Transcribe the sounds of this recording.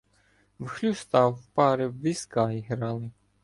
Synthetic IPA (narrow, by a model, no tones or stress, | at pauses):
wxlʲust̪ɑwpɑɾɪwʋʲiskɑiɦɾɑlˠɪ